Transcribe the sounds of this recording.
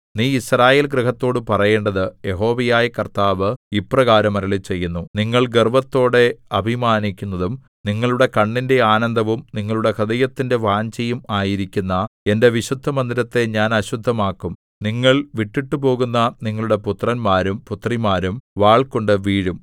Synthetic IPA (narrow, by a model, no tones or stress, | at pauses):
niːisraːje̞ːlɡɾiɦɐt̪ːo̞ːɽɨpɐrɐje̞ːɳɖɐðɨje̞ɦo̞ːʋɐjaːjɐkɐrt̪aːʋɨiprɐɣaːɾɐmɐɾɐɭit͡ɕe̞jːunːuniŋːɐɭɡerbɐt̪ːo̞ːɽe̞ɐbʱimaːnikʲːunːɐðum | niŋːɐɭuɽe̞kɐɳːinde̞aːnɐnd̪ʱɐʋumniŋːɐɭuɽe̞kʰɐd̪ɐjɐt̪ːinde̞ʋaːɲt͡ɕɐjumaːjiɾikʲːunːɐe̞nde̞ʋiɕud̪ʱːɐmɐnd̪iɾɐt̪ːe̞ɲaːnɐɕud̪ʱːɐmaːkːum | niŋːɐɭʋiʈːiʈːɨpo̞ːɣunːɐniŋːɐɭuɽe̞put̪rɐnmaːɾumput̪rimaːɾumʋaːɭkoɳɖɨʋiːɻum